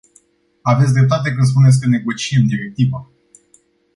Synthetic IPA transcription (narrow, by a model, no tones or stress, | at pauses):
avet̪s̬ʲd̪ɾep̚t̪at̪̬e̞k̬ɨnd̪s̬punes̬ʲkəne̞ɡo̞t͡ʃiemd̪iɾe̞k̚t̪iva